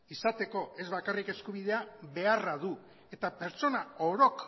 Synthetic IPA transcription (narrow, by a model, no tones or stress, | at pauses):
isat̪e̞ko̞e̞zβakarike̞skuβ̞ið̞e̞aβe̞araðu | e̞t̪ape̞ɾt͡ʃo̞nao̞ɾo̞k